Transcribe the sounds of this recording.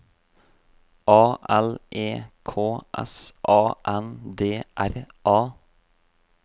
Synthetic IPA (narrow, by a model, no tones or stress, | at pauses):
ʔɑːʔɛlʔeːkʰoːʔɛ̰sʔɑːʔɛnd̪eːʔæɾʔɑː